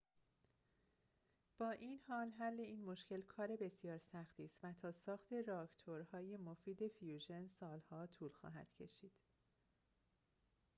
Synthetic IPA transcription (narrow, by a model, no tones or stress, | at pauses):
b̥ɒːʔiːnhɒːlɦælːe̞iːnmo̞ʃcʰe̞lkʰɒːɾe̞be̞sjɒːɾsæxt̪ʰiːst̪væt̪ʰɒːsɒːxt̪ʰe̞ɾɑkt̪ʰoɾhɒːje̞mo̞fiːd̪e̞fjuːʒe̞nsɒːlhɒːt̪ʰuːlxɒ̰ːɦæ̰d̪̥cʰe̞ʃiːd̪̥